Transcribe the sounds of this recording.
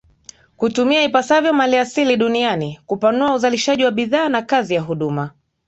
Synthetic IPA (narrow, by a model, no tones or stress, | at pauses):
kutumiaipasavjɔmaliasiliɗunianikupanuauzaliʃaʄiwaɓiðaːnakazijaɦuɗuma